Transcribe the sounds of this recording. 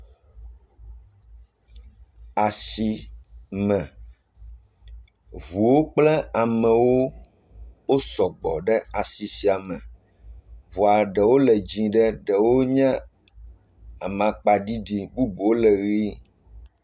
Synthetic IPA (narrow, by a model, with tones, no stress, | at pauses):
a˨si˨mɛ̃˨ | vu˨wo˦k͡plɛ˦a˨mɛ̃˨wo˦ | wo˦sɔ˨ɡ͡bɔ̰˨ɖɛ˦a˨si˨si˨a˨mɛ̃˨ | vu˨a˨ɖɛ˨wo˦lɛ˨d͡ʑĩ˨ɖɛ˦ɖɛ˨wo˦ɲɛ̃˦ | a˨mã˨k͡pa˨ɖi˦ɖi˦bu˦bo˨o˦lɛ˨ɣi˦